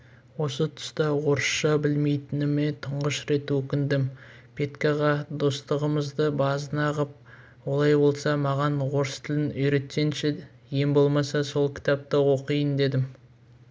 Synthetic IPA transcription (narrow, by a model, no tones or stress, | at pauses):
wo̞sət̪ʰʊ̥st̪ɑwo̞ɾəʃʃɑbɪlme̞jt̪ɪnɪme̞t̪ʰəɴʁəʃɾe̞t̪wɵkʲɪnd̪ɪm | pʰe̞t̪kɑʁɑd̪o̞st̪əʁəməzd̪əbɑzənɑʁəp̚ | wo̞lˠɑjbo̞lˠsɑmɑʁɑnwo̞ɾst̪ʰɪlɪnʏjɾe̞t̪ːe̞nʃe | je̞mbo̞lˠmɑsɑso̞lˠkʲʰɪ̥t̪ɑp̚t̪əwo̞qijənd̪e̞d̪ɪm